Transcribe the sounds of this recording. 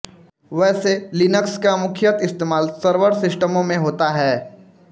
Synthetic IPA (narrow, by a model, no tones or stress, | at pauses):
ʋɛːselɪnəkskamʊkʰjət̪ɪst̪eːmaːlsəɾʋəɾsɪsʈəmõmẽɦoːt̪aɦɛː